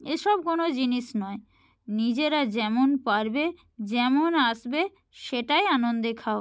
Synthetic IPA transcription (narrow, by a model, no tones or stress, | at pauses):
eʃɔb̚konod͡ʑiniʃnɔe | nid͡ʑeɾad͡ʑɛmonpaɾbe | d͡ʑɛmonaʃbe | ʃeʈajanond̪ekʰao